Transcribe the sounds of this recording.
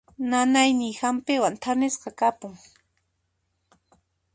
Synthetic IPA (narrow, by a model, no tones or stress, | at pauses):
nanajnɪjhampɪwant̪ʰanɪsqɑkapʊŋ